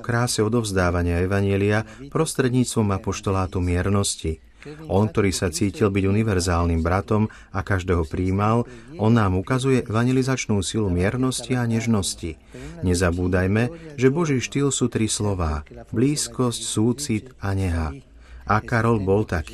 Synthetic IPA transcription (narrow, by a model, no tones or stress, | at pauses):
kɾaːsɛɔd̪ɔvzd̪aːʋaɲɪaɛʋaɲɛliapɾɔst̪ɾɛd̪ɲiːt͡st̪ʋɔmapɔʃt̪ɔlaːt̪umɪɛɾnɔsci | ʔɔnk̚t̪ɔɾiːsat͡siːcilbiɟuniʋɛɾzaːlnimbɾat̪ɔm | akaʒd̪ɛːɦɔpɾiːmalɔnːaːmukazujɛʔɛʋaɲjɛlizat͡ʃnuːsilumɪɛɾnɔsciaɲɛʒnɔsci | ɲɛzabuːd̪ajmɛʒɛbɔʒiːʃt̪ilsuːt̪ɾislɔʋaːbliːskɔscsuːt͡sit̪aɲɛɦa | ʔakaɾɔlbɔlt̪akː